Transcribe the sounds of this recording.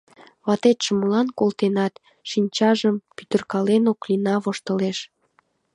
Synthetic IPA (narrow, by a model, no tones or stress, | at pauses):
βɑt̪et̪ʃə̆mulɑnkolt̪enɑt̪ | ʃinʲt͡ɕɑʒəmpyt̪yrkɑlenoklinɑβoʃt̪ə̆leʃ